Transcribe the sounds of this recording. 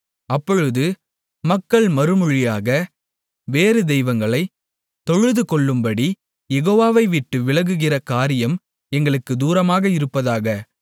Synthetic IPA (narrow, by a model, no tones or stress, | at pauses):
ɐpːɔɻɯðɯ | mɐkːɐɭmɐɾɯmʊɻɪjaːɣɐ | ʋeːɾɯd̪ɛɪʋɐŋɡɐɭɐɪ | t̪ɔɻɯðɯkɔɭːɯmbɐɽi | jɛɣoːʋaːʋɐɪʋɪʈːɯʋɪɭɐɣɯɣɪrɐkaːɾɪjɐm | ɛŋɡɐɭɯkːɯd̪uːɾɐmaːɣɐɪɾɯpːɐðaːɣɐ